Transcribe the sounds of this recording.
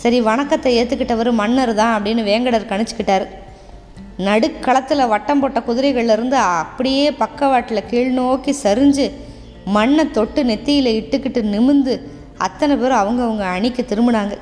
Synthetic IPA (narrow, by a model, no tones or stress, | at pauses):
sɐɾiʋɐɳɐkːɐt̪ːɐeːt̪ːɯkːɪʈːɐʋɐɾɯmɐɳːɐɾɯðãːɐpːɐɽɪnːɯʋeːŋɡɐɽɐɾkɐɳɯt͡ʃːɯ̥kːɪʈːaːɾɯ | nɐɽɯkːɐɭɐt̪ːɪlɐʋɐʈːɐmpoːʈːɐkʊðɪɾɐɪɣɐɭɪlɪɾɯnd̪ɯɐpːɐɽɪjeːpɐkːɐʋaːʈːɪlɐkiːɭnoːkisɐɾɯɲd͡ʒɯ | mɐɳːɐt̪ɔʈːɯnɛt̪ːɪjɪlɐɪʈːɯkːɪʈːɯnɪmɯnd̪ɯ | ɐ̰t̪ːɐnɐpeːɾɔ̃ɐʋɐŋɡɐɐʋɐŋɡɐːɳɪkʲːɯt̪ɪɾɯmbɯɽaːŋɡɐ